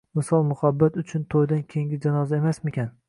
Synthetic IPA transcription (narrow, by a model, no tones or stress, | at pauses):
mɪsɒlˠmʊhabːat̪ʊt͡ʃʰʊnt̪ʰojd̪ankʲʰeŋɡʲɪd͡ʒanɒzaemasmekʲʰan